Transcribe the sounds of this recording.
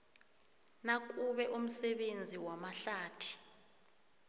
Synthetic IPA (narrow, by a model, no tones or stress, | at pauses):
nak̬ʼuɓɛʔum̩sɛɓend͡zʱiwamaɬaːtʰi̥